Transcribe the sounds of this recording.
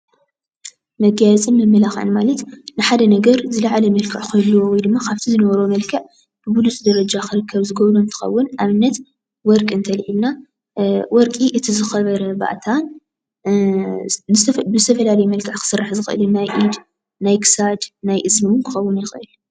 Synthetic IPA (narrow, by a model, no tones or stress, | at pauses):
mɐɡajt͡sʼɨnːɨmːɐlaxʕɨ̰nmalɐt̪nɨħad̪ɐnɐɡɐɾzɨlaʕalɐmɐlkʰɨʕkʰɐlːowɔjd̪ɨmːakʰaβt̪ʰizɨnɐβɐɾomɐlkʰɐʕ | b̥ɨbulusʼd̪ɐɾɐd͡ʒakʰɨɾɨkʰːɐβzɨɡɐβɾoɨnt̪ʰɨ̥xɐ̰wːʊnʔaβɨnːɐt̪ | wɔɾkʼɨnt̪ʰɐlʕilna | wɔɾkʼiʔɨt̪ʰizɨxɐβɐɾɐba̰ʔt̪ʰan | nɨbɨzɨt̪ʰɐfɐlalɐjmɐlkʰɐʕkʰɨ̥sɨrːaħzɨxɨʔɨlɨnːajʔid̪ | najkɨ̥sad̪najʔɨzmɨwunkʰɨ̥xɐwːʊnjɪxɨʔɨl